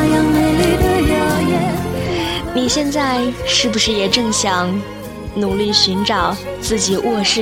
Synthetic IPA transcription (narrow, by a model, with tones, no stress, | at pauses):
jɑ˧ŋme˧˩ɪly˥˩d̪ə˧ljo˧˥ʊjɛ˥ | ni˨˩ɕjɛ˥˧nt͡sa˥˧ɪʂɻ̩˥˩bu˩ʂɻ̩˥˩jɛ˨˩ʈ͡ʂɤ˥˩ŋɕjɑ˨˩˦ŋ | nu˨˩li˥˩ɕy˧˥nʈ͡ʂɑ˨˩˦ʊt͡sɹ̩˥˩t͡ɕi˨˩wɔ˥˧ʂɻ̩˥˩